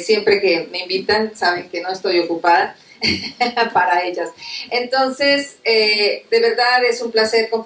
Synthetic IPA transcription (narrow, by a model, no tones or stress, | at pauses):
sje̞mpɾe̞ke̞me̞imbit̪ansaβeŋke̞no̞e̞st̪o̞jo̞kupaða | paɾae̞ʝasent̪o̞nse̞sed̪e̞βe̞ɾðaðe̞sumplase̞ɾko̞ɱf